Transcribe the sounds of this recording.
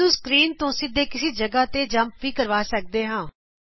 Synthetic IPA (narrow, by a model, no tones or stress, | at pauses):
uːskɾiːnt̪õːsɪd̪ʱːeːkɪseːd͡ʒəɡaːt̪eːd͡ʒəmpʋiːkəɾʋaːsək̚d̪eːɦãː